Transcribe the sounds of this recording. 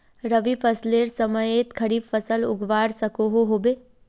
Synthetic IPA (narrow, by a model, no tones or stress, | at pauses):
ɾəʋifʰəsleːɾsəməeːt̪kʰɐɾiːbfəsəlʊ̰ɡʋaːɽsɐkoɦoɦoːbeː